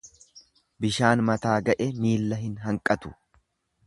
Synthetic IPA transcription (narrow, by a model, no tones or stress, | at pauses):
bɪʃaːnmɐt̪aːɡɐʔɛmiːlːɐɦɪnɦɐŋkʼɐt̪ʊ̥